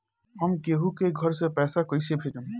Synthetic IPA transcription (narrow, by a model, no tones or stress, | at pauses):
ɔmkeɦũkeɡʱɔɾsepɛsakɔjsebʰʱed͡ʒɔm